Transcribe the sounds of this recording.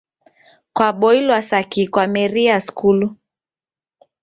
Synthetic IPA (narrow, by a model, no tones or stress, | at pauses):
kwaɓɔilwasakikwamɛɾiaskulu